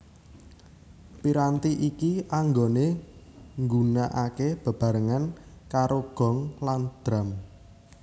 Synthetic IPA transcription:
piɾant̪iʔikiaŋɡone | ŋɡunaʔakeb̥ə̤b̥a̤ɾəŋankaɾoɡ̥ɔ̤ŋland̪̥ɾa̤m

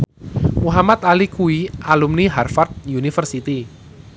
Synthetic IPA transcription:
muɦamat̪alikuiʔalumniɦarfart̪̚junifərsit̪i

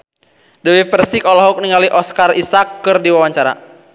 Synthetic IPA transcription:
dəwifɛrsikɔlɔɦɔk̚niŋaliʔɔskarisakːɨrdiwawaɲt͡ʃaɾa̰

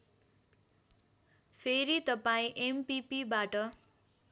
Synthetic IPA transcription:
pʰeɾit̪ʌpaĩʔempipibaʈʌ

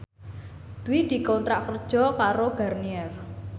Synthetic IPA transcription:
d̪̥uwid̪̥i̤kɔnt̪ɾaʔkərd̥ʒ̥ɔ̤kaɾoɡ̥arniɛr

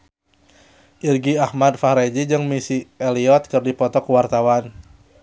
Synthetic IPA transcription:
ʔirɡiahmadfahɾed͡ʒid͡ʒɨŋmisiɛliɔt̪̚kɨrdipɔt̪ɔkuwart̪awan

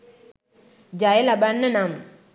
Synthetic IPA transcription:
d͡ʒajelabanːənam

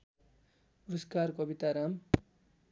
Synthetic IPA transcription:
uɾʌskarkʌbit̪aɾam

